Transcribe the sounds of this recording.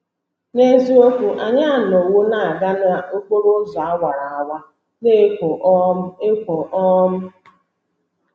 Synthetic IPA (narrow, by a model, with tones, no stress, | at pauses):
ne˦zi˦o˦kʷu˦ʔa˨ɲa˦˨n˨o˨wo˦na˨a˨ɡa˦na˦o˦k͡po˦ɾo˦za˨a˦wa˨ɾa˨a˨wa˦ | ne˦˨ | e˦kʷo˨ʔɔ˦m̩˦